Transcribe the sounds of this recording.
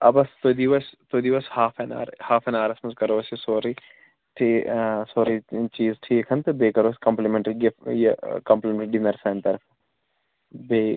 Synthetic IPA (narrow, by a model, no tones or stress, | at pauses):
ɐbɐst̪od̪iʋɐst̪od̪iʋɐshaːfʰɐna̰ːɾhaːfʰɐnaːɾɐsmɐzkɐɾoːɐsjisoːɾi | ʈʰisoːɾit͡ʃiːzʈʰiːkʰɐnt̪ɨbeːkɐɾoːsʲkɐmplimẽɳʈɐɾiɡifjɐkɐmplemʈɾɖinɐɾsɐːnt̪ɐɾfɐ | beː